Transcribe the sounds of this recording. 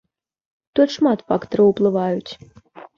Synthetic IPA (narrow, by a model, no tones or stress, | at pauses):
t̪ɔt̪ʂmat̪fakt̪ɐɾɐwplˠɨvajut͡sʲ